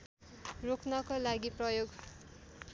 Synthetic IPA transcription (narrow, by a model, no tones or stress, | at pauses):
roknʌkolaɡiprʌjoɡ